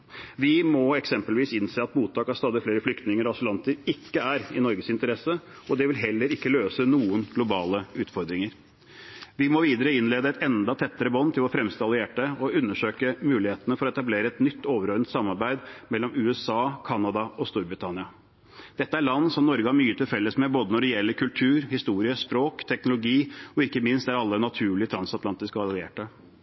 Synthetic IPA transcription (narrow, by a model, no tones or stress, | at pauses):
ʋɪmɔɛksɛmpəlʋiːsɪnseːɑt̪buːt̪ʰːɑːkɑst̪ɑːd̪ɪfleːɾəflʏkt̪nɪŋəɾɔɑsɪlɑnt̪əɾɪkːəæɾɪnɔɾɡəsɪnt̪əɾɛsːə | ɔd̪ɛʋɪlɦɛlːəɾɪkːəløːsənuːənɡlʊbɑːləʉːt̪fɔɾd̪ɾɪŋəɾ | ʋɪmɔʋiːd̪əɾəɪnleːd̪əɛt̪ɛnd̪ɑt̪ʰɛt̪ːəɾəbɔnːt̪ʰɪlɔfɾɛmst̪ɑlɪeːʈəɔʉnːəʂøːkəmʉːlɪheːt̪ənəfɔɾɔɛt̪ɑbleːɾəɛt̪nʏt̪ːoːʋəɾɔɾnt̪sɑmːɑɾbæɪd̪mɛlːɔmʉːɛsɑːkʰɑnːɑd̪ɑɔst̪uːɾbɾɪt̪ʰɑnɪɑ | d̪̥ɛt̪ːəæɾɭɑnːsɔmnɔɾɡəɑɾmyːət̪ʰɪlfɛlːəsmɛboːd̪ənɔɖɛjɛlːəɾkʰʉlt̪ʰʉːɾhɪst̪uːɾɪəspɾoːkt̪ʰɛknʊlʊɡiːɔɪkːəmɪnst̪æɾɑlːənɑt̪ʰʉːɭɪt̪ʰɾɑnsɑt̪lɑnt̪ɪskəɑlɪḛːʈə